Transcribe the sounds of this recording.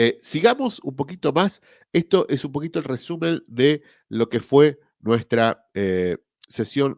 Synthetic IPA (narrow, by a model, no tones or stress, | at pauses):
esiɣamo̞sumpo̞kit̪o̞mas | est̪o̞ʔesumpo̞kit̪o̞elresumẽ̞nd̪e | lo̞kefwe̞ | nwest̪ɾa | e | sesjo̞n